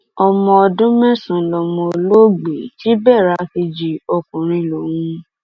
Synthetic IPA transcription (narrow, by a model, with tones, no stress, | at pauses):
ɔ˧mɔ̃˧ɔ˧dũ˦mɛ̃˦˨sũ˨lɔ˨mɔ̃˧lo˦ɡ͡be˨ti˦bɛ˦˨ɾa˧hi˧d͡ʒi˨ɔ˧kũ˨ɾ̃ĩ˧lo˨wũ˧˦